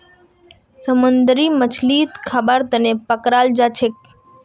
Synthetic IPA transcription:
səmənd̪ɾimət͡ʃʰlit̪kʰabaɾt̪ənepəkɾald͡ʒat͡ʃʰek̚

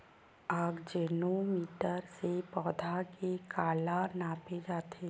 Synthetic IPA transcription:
aːɡd͡ʒeːnomiːʈəɾsepɔːd̪ʱakekaːlanaːped͡ʒaːt̪ʰe

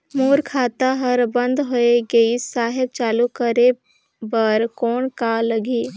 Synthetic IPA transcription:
moːɾkʰaːt̪aɦɐɾbə̃nd̪ɦoeɡəisaːɦɪb̚t͡ʃaːlukəɾe | bəɾkɔːnkaləɡiː

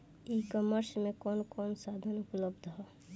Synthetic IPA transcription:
ikɔməɾsmẽkɔːnkɔːnsad̪ʱənupləbd̪ʱɦɔː

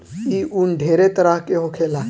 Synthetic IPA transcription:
iunɖʱeːɾet̪əɾaɦkeɦokʰela

